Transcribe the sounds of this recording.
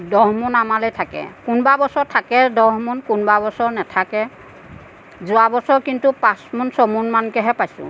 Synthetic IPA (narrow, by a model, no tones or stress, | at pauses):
dɔɦmunamalɔjtʰakɛ̰kunbabɔsɔɹtʰakɛdɔɦmunkunbabɔsɔɹnɛtʰakɛ | zʊabɔsɔɹkintupãsmunsɔmunmankɛɦɛpajsʊ̰̃